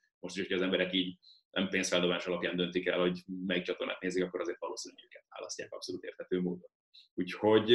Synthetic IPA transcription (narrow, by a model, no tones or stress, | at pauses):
mo̞ʃt̪iʃocʰɒːzɛmbɛɾɛkiːɟnʔɛ̰mpeːnsfɛld̪obaːʃɒlɒpjaːnd̪ønt̪ikɛ̰lho̞ɟmɛjik̚t͡ʃɒt̪orna̰ːt̪neːzikɒkːo̞ɾɒzeːrt̪ʋɒloːsinyøːkɛt̪ʋa̰ːlɒ̰scaːkɒ̰psoluːt̪ḛrt̪hɛt̪øːmoːd̪on | uːcho̞ɟ